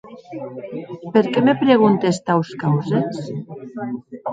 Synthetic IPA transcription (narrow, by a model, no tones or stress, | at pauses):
peɾkemepɾeɣunt̪est̪awskawzes